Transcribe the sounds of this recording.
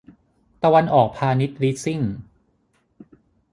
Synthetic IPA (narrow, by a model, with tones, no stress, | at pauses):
t̪a˧wa˧nʔɔː˨˩k̚pʰaː˧ni˦˥t̪̚li˦˥si˥˩ŋ